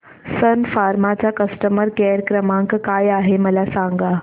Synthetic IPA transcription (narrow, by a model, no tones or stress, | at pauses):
sənfaːɾmat͡ɕakəsʈəməɾkeɾkɾəmãŋkkajaɦeməlasãŋɡa